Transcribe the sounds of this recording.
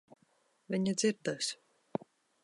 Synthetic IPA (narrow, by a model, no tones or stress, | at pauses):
vʲiɲad̪ziɾd̪as